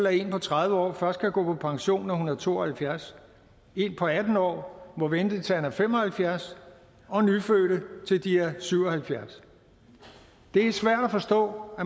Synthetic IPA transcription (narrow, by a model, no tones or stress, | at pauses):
lɐe̝npʰɒ̽t͡sʰʁäðˠʋəɒ̰ːfɶɐsd̥̚kʰæɡ̥ɔ̰̽ːpʰɒ̽pʰɑ̈ŋɕo̝̰ːnɐhunɐð̩ˠt͡sʰo̝̰ːɒhælfjæɐs | e̝npʰɒ̽æd̥n̩ɒ̰ːmɒ̽ʋend̥ət͡sʰe̝ænæfem̰ɒ̽hælfjæɐs | ɒ̽nyføːɾ̥ət͡sʰe̝ld̥ieɐsyʊ̰ɒ̽hælfjæɐs | d̥e̝æɐsʋæɐ̰ɾ̥æfɒ̽sd̥ɔ̰̽ːæ